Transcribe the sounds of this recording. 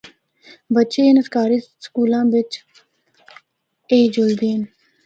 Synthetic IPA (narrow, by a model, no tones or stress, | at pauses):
bətːʃeːnəskaːɾiːskuːlãːʋɪt͡ʃ | eːd͡ʒʊld̪iːn